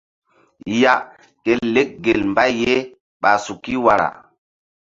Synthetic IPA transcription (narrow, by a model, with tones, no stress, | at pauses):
ja˦ | ke˦le˦k̚ɡe˨lmba˦jːe˦ | ɓa˨su˨ki˦wa˨ɾa̰˨